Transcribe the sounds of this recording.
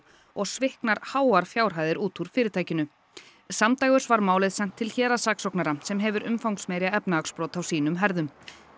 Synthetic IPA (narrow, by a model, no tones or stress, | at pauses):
ɔɣsvɪhknaɾ̥haːwaɾ̥fjaːwɾ̥ɦaːjðɪɾuːt̪ʰuɾ̥fɪːɾɪt̪ʰaːjcɪnʏ | samt̪aːjɣʏɾ̥svaɾmaːwlɪðsɛm̥t̪ʰːɪlçɛːɾasaːksɔknaɾasɛmɦɛvʏɾʔʏ̰mfawŋksmɛːɾjaɛpnaakspɾoːwt̪awsiːnʏmɦɛɾðʏm